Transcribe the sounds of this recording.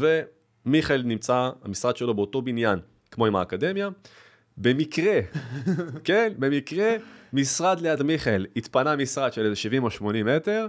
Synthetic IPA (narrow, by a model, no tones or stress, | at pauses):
ve̞ | miχelnimt͡saa̰misʁad̪ʃe̞lo̞beoto̞binjan | kmo̞ima̰ːkade̞mja | be̞mikʁe̞ | kenbe̞mikʁemisʁad̪lejadmiχelit̪panamisʁad̪ʃelezeʃivimo̞ʃmo̞nimete̞ʁ